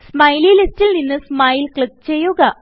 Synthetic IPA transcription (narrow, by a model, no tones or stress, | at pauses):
smɐjlilistilninːɨsmɐjlkɭik̚t͡ɕe̞jːuɣɐ